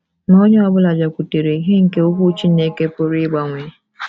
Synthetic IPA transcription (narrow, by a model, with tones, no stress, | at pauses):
no˦ɲ˦a˨bʊ˦la˨d͡ʒa˨kʷu˨te˨ɾe˨˦ɦe˦ŋ̩˨ke˦o˦kʷu˦t͡ʃi˦n̩˦ne˦ke˦pʊ˦ɾi˦ɪ˦ɡ͡ba˨ŋʷe˨